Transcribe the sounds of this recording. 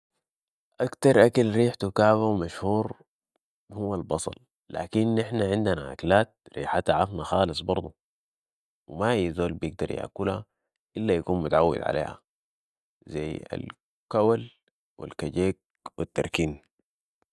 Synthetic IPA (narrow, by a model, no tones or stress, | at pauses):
ʔakt̪ɑɾˤʔakalɾiːħt̪ukaːbawmaʃhuːɾ | huwːalbɑsˤɑ̰l | la̰ːkinʔɪħnaʕɪnd̪ana̰ʔa̰kalaːt̪̚ɾḭːħat̪aʕɑfnaxɑːlɨsˤbɑɾˤd̪ˤu | wimaijːzoːlbijɪɡ̚d̪ɑɾˤja̰ʔkulha̰ | ʔɪlːajakuːnmut̪aʕawːḭd̪ʕa̰lʔḛːha̰ | zajːa̰l | kawal | wḭlkaɟeːk̚ | wit̪ːɑɾˤkiːn